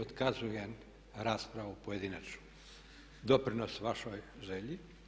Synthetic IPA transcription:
ot̪kazujen | ɾaːspɾaʋupoje̞d̪inat͡ʃnu̥ | d̪opɾinosʋaʃojʒeʎi

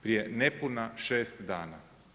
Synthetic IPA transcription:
pɾije̞nepunaʃeːst̪d̪aːna

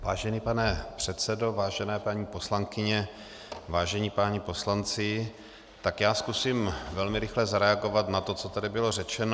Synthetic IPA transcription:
vaːʒɛniːpanɛpr̥ɛt̪sɛdo̞vaːʒɛnɛːpaɲiːpo̞slaŋkɪɲɛ | vaːʒɛɲiːpaːɲipo̞slant͡sɪ | t̪akjaːskusiːmvɛlmɪɾɪxlɛzaɾɛaɡo̞vat̪nat̪o̞t͡sot̪adɪbɪlo̞rɛt͡ʃɛn

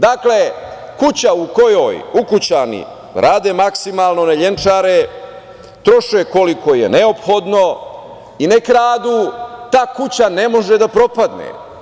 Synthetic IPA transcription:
d̪akle | kut͡ɕauko̞jo̰ːjukut͡ɕanḭ | ɾʔaːd̪emaksimaːlno̞neʎent͡ʂaɾe | t̪ɾoʃueko̞liko̞jḛneo̞pxo̞d̪no̞ | inekɾaːd̪ut̪aːkut͡ɕane̞mo̞ʒed̪apɾo̞pad̪nḛ

